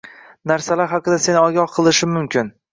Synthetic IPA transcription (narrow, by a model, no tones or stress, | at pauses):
naɾsalaɾɦɑqɨd̪ase̞nɪɒɡʲɒhqʰɨlˠɪʃɪmːʊmkʲʰɪn